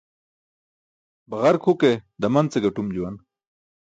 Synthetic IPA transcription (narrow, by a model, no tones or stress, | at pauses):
baɣaɾkʰhuked̪ɐmɐnt͡seɡaʈumd͡ʑuwan